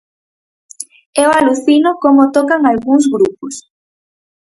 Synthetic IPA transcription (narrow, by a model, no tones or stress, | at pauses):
ɛoaluθinʊkomot̪ɔkaŋalɣuŋz̬ɣɾupʊs